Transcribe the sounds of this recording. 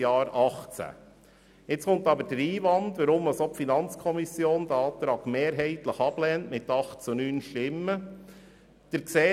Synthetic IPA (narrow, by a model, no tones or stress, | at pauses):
jɑːɾɑχt͡sæ̰ | ɪt͡skʊnt̪ɑbəɾd̥əɾiːʋɑnd̪ʋəɾʊmːɑsopfinɑnt͡skʰɔmisjoːnd̥̪əɑːt̪ɾɑːɡ̥meːɾɦɛɪt̪ləχɑb̥lɛːntmɪt̪ɑχt͡sunyːnʃtɪmːə | d̪̥əɾkseː